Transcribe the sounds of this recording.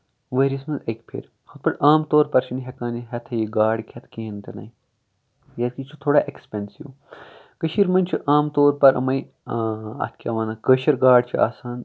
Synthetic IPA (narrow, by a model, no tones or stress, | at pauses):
ʋəɾismɐnzɐkʲpʰḛɾ | xut̪̚pɐʈaːmt̪oːɾpɐɾt͡ʃʰiniɦɐkaːniɦɐt̪ʰɐjiɡaːɽkʲʰɐt̪ʰkeːnt̪ɐnɐ̰j | jɐt̪kit͡ʃʰut̪ʰoːɽaːʔekspʲensiw | kəʃiɾmɐnʲt͡ʃʰuʔaːmt̪oːɾpɐɾɐ̰mɐj | ɐ̰t̪̚ʰkʰʲɐ̰ʋaːnɐkəʃɐɾɡaːɽt͡ʃʰia̰ːsaːn